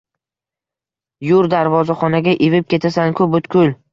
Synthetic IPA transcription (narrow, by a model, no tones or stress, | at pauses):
jʊɾd̪aɾvɒzaχɒnaɡʲaʔevɪp̚kʲe̞t̪ʰasankʰɵpot̪kʰʲʊl